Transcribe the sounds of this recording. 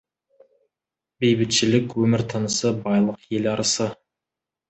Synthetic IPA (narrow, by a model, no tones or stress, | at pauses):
bejbɪt̪ʃɪlɪkʲwɵmɪɾt̪ʰənəsəbɑjlˠəqje̞lɑɾʔəsə